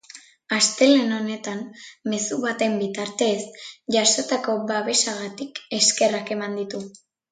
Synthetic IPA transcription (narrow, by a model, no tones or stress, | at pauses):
ast̪e̞le̞no̞ne̞t̪anme̞suβat̪e̞mbit̪aɾt̪e̞sʝasot̪ako̞βaβe̞ʃaɣ̞at̪ike̞ske̞rake̞mand̪it̪u